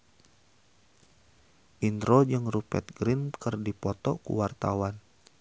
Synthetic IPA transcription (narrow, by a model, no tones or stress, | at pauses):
ʔind̪ɾod͡ʒɨŋrupɛ̰t̪̚ɡɾinkərdipɔt̪ɔkṵwart̪awan